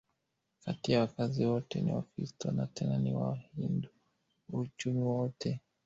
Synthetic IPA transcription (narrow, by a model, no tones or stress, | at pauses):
katiawakaziwɔtɛnḭwakɾistɔnatʰɛnaniwa̰hindu | ut͡ʃumiwɔtʰɛ